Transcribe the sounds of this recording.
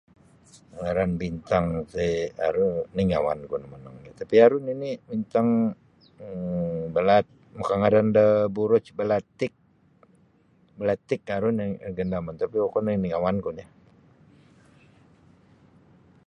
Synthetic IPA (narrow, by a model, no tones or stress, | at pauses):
ŋaɾanbint̪aŋseaɾuniŋa̰wa̰nkunamana̰ŋnat̪apiaɾuninibint̪aŋ | bəlat̪̚mukaŋaɾandəbuɾʊt͡ʃbəlat̪ɪk̚ | bəlat̪ɪk̚aɾunɡəndamant̪apiokɔniniŋawankuna